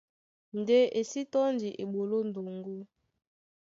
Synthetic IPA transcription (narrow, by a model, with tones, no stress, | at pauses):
n˨de˦ʔe˨si˦tɔ˦ndi˨ʔe˨ɓo˨lo˦n˨do˨ŋɡo˦